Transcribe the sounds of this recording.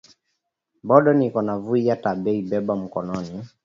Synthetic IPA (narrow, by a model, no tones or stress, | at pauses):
bɔɗɔnikɔnavuijataɓɛibɛɓam̩kɔnɔni